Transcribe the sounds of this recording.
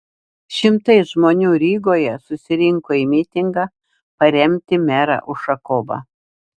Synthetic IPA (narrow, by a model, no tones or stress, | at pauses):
ʃʲɪmt̪ɐɪʒmoːnʲuːɾʲiːɡoːjɛsʊsʲɪɾʲɪŋkoːimʲɪt̪ʲɪŋɡɑ | pɐɾʲɛmʲt̪ʲɪmʲæɾɑ̰ʔʊʃɐkoːbɐ̰